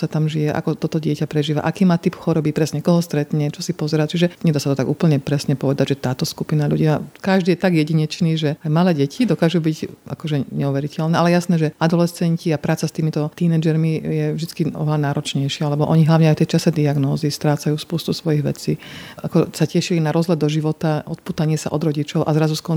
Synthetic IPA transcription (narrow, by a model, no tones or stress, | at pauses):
sat̪amʒijɛʔa̰kɔt̪ɔt̪ɔɟɪɛcapɾɛʒiːʋa̰ʔakiːmaːt̪ipxɔɾɔbipɾɛsɲɛkɔɦɔst̪ɾɛt̪ɲɛt͡ʃɔsipɔzɛɾat͡ʃiʒɛɲɛd̪aːsat̪ɔt̪aɡuːpl̩ɲɛpɾɛsɲɛpɔʋɛd̪aɟʒɛt̪aːt̪ɔskupinaʎuɟiːmakaʒd̪iːjɛt̪aɡjɛɟiɲɛt͡ʃniːʒɛajmalɛːɟɛcʰid̪ɔkaːʒubiɟʔa̰kɔʒɛɲɛuʋɛɾicɛlnɛːʔalɛjasnɛːʒɛad̪ɔlɛst͡sɛɲciapɾaːt͡sast̪iːmit̪ɔt̪iːnɛd͡ʒɛɾmijɛvʒd̪it͡skiɔ̰ʋɛlanaːɾɔt͡ʃɲɛjʃɪaalɛbɔʔɔɲiɦlaʊɲɛajft̪ɛjt͡ʃasɛd̪iaɡnɔːzist̪ɾaːt͡sajuːspuːst̪usʋɔjiɣʋɛ̰t͡siːʔakɔsacɛʃilinaɾɔzɦlad̪d̪ɔʒiʋɔt̪aʔɔt̪̚puːt̪aɲɪɛsa̰ʔɔ̰d̪ɾɔɟit͡ʃɔʊʔa̰zɾazuskɔ